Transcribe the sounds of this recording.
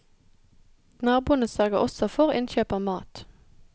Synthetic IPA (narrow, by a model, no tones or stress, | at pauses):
nɑːʁbuːənəsœʁɡəʔɔsɔfɔʁʔɪ̰nçøːpəmɑːt̪